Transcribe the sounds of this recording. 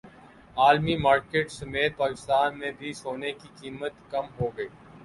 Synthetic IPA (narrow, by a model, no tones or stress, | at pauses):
aːlmimaːɾkeːʈsɐmeːt̪̚paːkɪst̪aːnmẽbʱisoːnekikiːmət̪kɐmɦoːɡɐiː